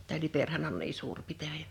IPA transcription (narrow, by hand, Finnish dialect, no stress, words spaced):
tæː liperhæn on niː suːr pitæjæ